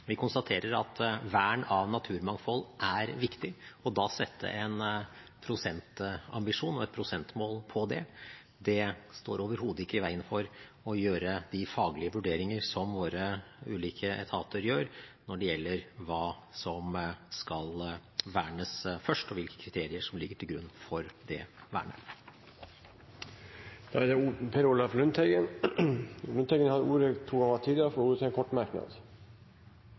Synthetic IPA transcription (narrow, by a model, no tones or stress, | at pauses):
ʋɪkʰʊnst̪ɑt̪ʰeːɾəɾɑt̪ʋæːɳɑʋnɑt̪ʰʉːɾmɑŋfɔlːʔæɾʋɪkt̪ɪɔd̪ɑːsɛt̪ʰːə̰ʔɛnpʰɾʊsɛnt̪ɑ̰mbɪʂuːnɔɛt̪̚pʰɾʊsɛnt̪moːlpʰɔd̪ɛ̰ | d̪ɛst̪oːɾoːʋəɾɦuːd̪əɪkːəɪʋæɪənfɔɾ | ɔjøːɾəd̪ɪfɑːɡlɪəʋʉɖeːɾɪŋəɾsɔmʋoːɾəʉ̰ːliːkʰəɛ̰t̪ʰɑːt̪ʰəɾjøːɾnɔɖɛjɛlːəɾʋɑːsɔmskɑlʋæːɳəsfœʂʈɔʋɪlkə̥kʰɾɪt̪ʰeːɾɪəʂɔmlɪɡːəʈʰɪlɡɾʉnːfɔɾd̪ɛ̰ʋæ̰ːɳə̰ | d̪̥ɑæd̪ɛpʰɛɾuːlɑflʉnt̪ɛɡən | lʉnt̪ʰɛɡənhɑd̪əuːɾət̪ʰuːɡɑŋɑt̪ʰiːd̪əfɔɾuːɾət̪ɪɛnkʰɔʈːmæɾknɑ̰d̪